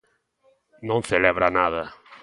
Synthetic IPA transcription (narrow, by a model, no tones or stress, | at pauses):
nõŋθelɛβɾanaðɐ